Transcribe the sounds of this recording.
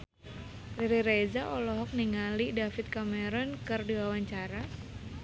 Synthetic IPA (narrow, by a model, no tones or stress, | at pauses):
liɾiɾezaʔɔlɔɦɔk̚niŋalidafit̪̚kamɛɾɔnkɨrdiwawaɲt͡ʃaɾa